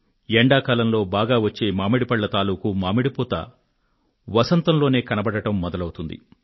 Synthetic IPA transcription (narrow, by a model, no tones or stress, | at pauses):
eɳɖaːkaːlɐmlo̞ːbaːɡaːʋɐt͡ʃːe̞ːmaːmeɽipɐɭːɐt̪aːluːkumaːmeɽipɔːt̪ɐ̰ | ʋɐsɐnt̪ɐmloːne̞ːkɐnɐbɐɽɐʈɐmːɔd̪ɐlɐwut̪und̪ḭ